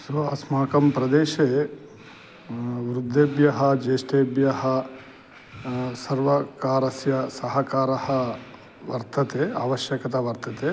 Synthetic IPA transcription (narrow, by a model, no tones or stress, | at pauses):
sʋɐɐsmaːkɐmpɾɐd̪eːʃe | ʋɾud̪ʱːeːbjɐɦɐ̆d͡ʒeːsʈeːbjɐɦɐ̆ | sɐɾʋɐkaːɾɐsjɐsɐɦɐkaːɾɐhɐ̆ | ʋɐ̰ɾt̪ɐt̪eːa̰ːʋɐʃjɐkɐt̪aːʋɐɾt̪ɐt̪eː